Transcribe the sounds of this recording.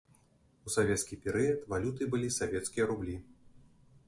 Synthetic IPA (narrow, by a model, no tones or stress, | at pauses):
usavʲɛt̪skʲipʲɛɾɨjɐt̪valʲut̪ɨbɨlʲisavʲɛt̪skʲijɐɾublʲi